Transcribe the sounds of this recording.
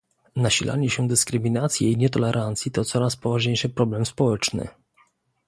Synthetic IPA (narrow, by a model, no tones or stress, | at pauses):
naɕilʔa̰ɲɛɕɛd̪ɘskɾɘmʲinat̪sʲjɛiɲɛt̪ɔlɛɾʔant̪sʲjit̪ɔt̪sɔɾaspɔvaʐɲejʂɘpɾɔblɛmspɔwɛt͡ʂnɘ̰